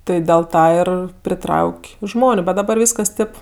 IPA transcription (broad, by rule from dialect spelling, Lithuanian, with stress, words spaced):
ˈtɜ dʲeːlˠ ˈtɑː ɪr pʲrʲɪˈtrɐʊkʲ ˈʒmoːnʲʊ ˈbʲɛt dɐˈbɐr ˈʋʲiːskɐs ˈtʲeːp